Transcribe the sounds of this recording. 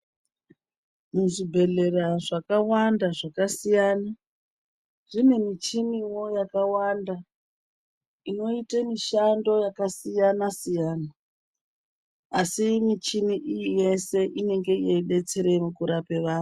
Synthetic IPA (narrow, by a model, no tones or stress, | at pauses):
muʐibʱe̞ɮe̞raʐakawandaʐakasijaːna | ʐ̥ine̞mit͡ʃiniwo̞jakawanda | ino̞itemiʃando̞jakasijanasijaːna | simit͡ʃimiʔijije̞se̞ʔine̞ŋɡe̞jeiɓe̞t͡seɾe̞mukuɾape̞ʋaːro